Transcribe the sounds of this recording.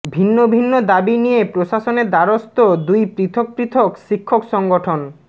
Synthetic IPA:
bʱinːobʱinːod̪abinijepɾoʃaʃoneɾd̪aɾost̪od̪ujpɾit̪ʰok̚pɾit̪ʰokʃikʰːokʃɔŋɡoʈʰon

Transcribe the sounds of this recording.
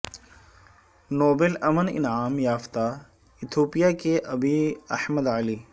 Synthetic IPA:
noːbelɐmənɪ̰nʕaːmjaːft̪a | ɪt̪ʰoːpijakeʔɐbiːɐħməd̪əliː

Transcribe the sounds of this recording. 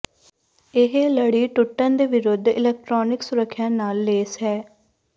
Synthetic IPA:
ɪɦeləɽiːʈʊʈːə̃ːnd̪eːʋɪɾʊd̪ʱɪ̰lɛːk̚ʈɾɔːnɪksʊɾəkʰːjãːnaːlːeːsɛː

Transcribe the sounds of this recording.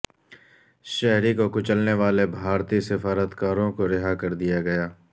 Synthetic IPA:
ʃɛɦɾikokʊt͡ʃəlneʋaːlebʱaːɾt̪isɪfaːɾət̪kaːɾõkoɾɪɦakɐɾd̪ijaɡɐjaː

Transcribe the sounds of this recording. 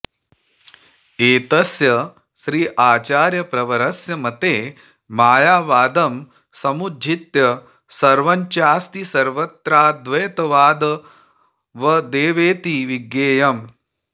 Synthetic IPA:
eːt̪ɐsjɐ | ʃɾiːʔaːt͡ʃaːɾjɐpɾɐʋɐɾɐsjɐmɐt̪eː | maːjaːʋaːd̪ɐm | sɐmudʱit̪jɐ | sɐɾʋɐɲt͡ʃaːst̪isɐɾʋɐt̪ɾaːd̪ʋeːt̪ɐʋaːd̪ɐ | ʋɐd̪eːʋeːt̪iʋiɡjeːjɐm

